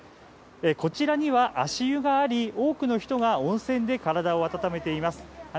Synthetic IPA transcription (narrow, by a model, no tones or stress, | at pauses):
eko̞t͡ɕiɾaɲ̟iβaʔaɕijɯ̟ɡaːɾʲio̞ːkɯ̟no̞çi̥t̪o̞ɡaõ̞ɰ̃sẽ̞nd̪e̞kaɾad̪ao̞at̪at̪ame̞t̪e̞imasɨ̥